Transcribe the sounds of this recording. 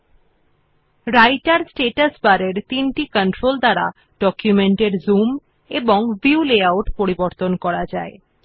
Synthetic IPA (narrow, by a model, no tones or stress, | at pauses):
ɾajʈaɾsʈeʈasbaɾeɾt̪inʈikəɳʈɾold̪aɾa̰ | ɖ̥ɔkjumeɳʈeɾzum | eboŋbiuleawʈpoɾiboɾt̪onkɔɽad͡ʑa̰e